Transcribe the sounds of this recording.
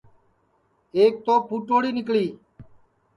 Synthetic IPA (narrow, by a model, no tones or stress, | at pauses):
eːk̚t̪oːpʰuːʈoːɽiːnɪkliː